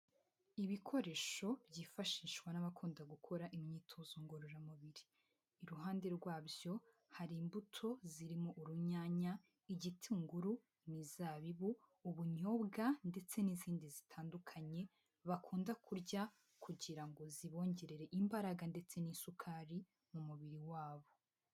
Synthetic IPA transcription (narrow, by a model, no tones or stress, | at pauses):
iβikʰo̞ɾe̞ʃo̞bjiːfaʃiːʃɡwanaβakʰuːndaɡukʰo̞ɾaʔimɲiːtʰozoŋɡoɾoɾamuβiɾiː | ɾuɦaːnde̞ɾɡwaːbjo̞ | haɾiːmbutʰo̞ziɾimoʔuɾuɲaːɲa | iɟitʰiŋɡuɾu | nizaβiβu | uβuɲo̞ːbɡande̞t͡se̞niziːndizitʰaːndukʰaɲe̞ | βakʰuːndakʰuɾɟa | kʰuɟiɾaŋɡo̞ziβo̞ːɲɟe̞ɾe̞ɾe̞ʔimbaɾaɡande̞t͡se̞niːsukʰaːɾi | mumuβiɾiwaːβo̞